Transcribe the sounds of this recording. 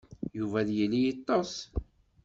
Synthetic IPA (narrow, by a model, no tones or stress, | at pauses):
juvæðjəlːijit̪ˤːɑs